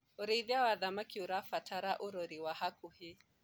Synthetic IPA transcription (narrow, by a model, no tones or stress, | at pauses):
ɔɾiiðiawaðamakiuɾafatʰaɾaʔuɾɔɾiwahakuhi